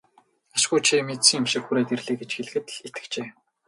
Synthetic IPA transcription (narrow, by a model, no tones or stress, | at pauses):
aʃ̆ɡujt͡ɕʰimet̪sĭŋʊ̆mʃɪ̆kxuɾæːt̪erɮeːɡet͡ɕxeɮɘ̆xɘ̆t̪ɮet̪ɘ̥̆kt͡ɕeː